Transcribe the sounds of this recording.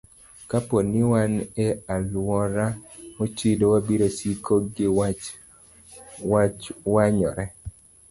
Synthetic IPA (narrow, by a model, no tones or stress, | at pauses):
kaponɪwanealwɔɾamot͡ʃidowabiɾosikʰoɡɪwat͡ʃ | wat͡ʃwaɲɔɾɛ